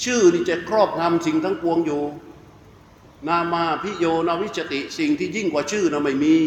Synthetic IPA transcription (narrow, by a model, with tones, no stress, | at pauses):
t͡ɕʰɯː˥˩niː˥˩t͡ɕa˨kʰɾɔː˥˩p̚na˧msi˨˩ŋt̪ʰa˦˥ŋpu˧əŋjoː˨˩ | naː˧mːaː˧pʰi˦˥joː˧naː˧wi˦˥t̪̚t͡ɕa˧t̪i˨˩ʔsi˨˩ŋt̪ʰiː˥˩ji˥˩ŋkwaː˨˩t͡ɕʰɯː˥˩na˧˩ma˥˩jmiː˧